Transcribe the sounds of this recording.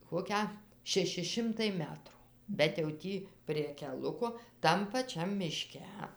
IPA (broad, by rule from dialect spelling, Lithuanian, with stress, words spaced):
ˈkoːkʲæː ʃʲɛˈʃʲɪ ˈʃʲɪmtɐɪ ˈmʲæːtrʊ bʲɛt jɛʊ ˈtʲiː pʲrʲiɛ kʲɛˈlˠʊkoː ˈtɐm pɐˈt͡ʃʲɛm mʲɪˈʃʲkʲɛ